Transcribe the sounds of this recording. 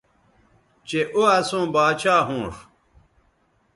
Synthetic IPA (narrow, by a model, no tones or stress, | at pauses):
t͡ɕeʔoɐsũːbaːt͡ɕaːɦũːʂ